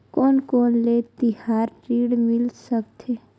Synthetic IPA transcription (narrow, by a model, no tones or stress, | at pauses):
kɔːnkɔːnlet̪ɪhaːɾʈiːɽmɪlsəkt̪ʰeː